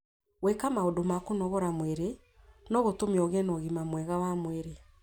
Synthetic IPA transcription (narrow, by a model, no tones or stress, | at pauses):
wɛkamaodomakonɔɣɔɾamweɾe | nɔɣotomiɔɣɛnɔɣimamwɛɣawamweɾe